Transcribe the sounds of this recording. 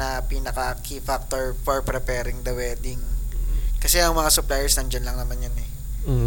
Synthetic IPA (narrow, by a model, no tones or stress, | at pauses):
ɐpiːnɐkɐkʰifak̚t̪oɹfɔɹpɾɛpɛːɾɪŋd̪ɐwɛːd̪ɪŋ | kɐsɛʔɐŋmɐŋasʊplajɛɹsnɐnd͡ʒɐnlɐŋnɐmanjanɛ